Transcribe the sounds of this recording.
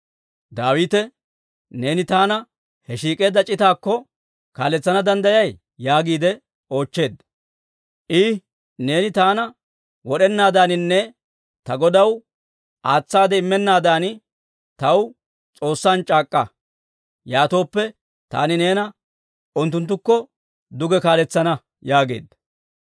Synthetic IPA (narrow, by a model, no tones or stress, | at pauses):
d̪aːwiːt̪ɛ | ne̞ːnɪt̪aːnɐ | hɛʃiːkʼe̞ːd̪ːɐt͡ʃʼɪt̪aːkːɔ | ka̰ːlɛt͡sːɐnɐd̪ɐnd̪ɐjɐj | jaːɡiːd̪ɛ | o̞ːt͡ʃːe̞ːd̪ːɐ | ʔɪ | ne̞ːnɪt̪aːnɐ | wɔɗɛnːaːd̪aːnɪnːɛ | t̪ɐɡɔd̪ɐw | ʔaːt͡sːaːd̪ɛɪmːɛnːaːd̪aːn | t̪ɐw | t͡sʼo̞ːsːaːnt͡ʃʼaːkʼːɐ | jaːt̪o̞ːpːɛ | t̪a̰ːnɪne̞ːnɐ | ʊnt̪ːʊnt̪ːʊkːɔ | d̪ʊɡɛkaːlɛt͡sːɐnɐ | jaːɡe̞̰ːd̪ːɐ̥